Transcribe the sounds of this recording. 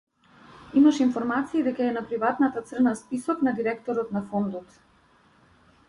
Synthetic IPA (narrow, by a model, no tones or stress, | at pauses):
imaʃinfɔɾmat̪siːd̪ɛkaɛnapɾivat̪nat̪at̪sr̩naspisɔknad̪iɾɛkt̪ɔɾɔt̪nafɔnd̪ɔt̪